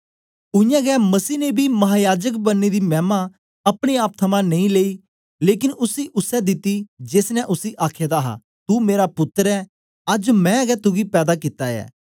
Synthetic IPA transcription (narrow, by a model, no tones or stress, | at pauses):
ʊɪjãːɡɛːmɐsiːnebʱiːmɐɦaːjaːd͡ʒəkbənːed̪iːmɛːmã | ɐpɽ̃eaːp̚t̪ʰɐmãnɐ̃ĩleːiː | leːkɪnʊsiːʔʊsɛd̪ɪt̪ːid͡ʒeːsnɛ̃ʔʊsiːʔaːkʰeːd̪aːɦa̰ | t̪uːmeːɾapʊt̪ːəɾɛː | ɐd͡ʒmɛ̃ːɡɛːt̪ʊɡipɛːd̪aːkɪt̪ːajɛ̰ː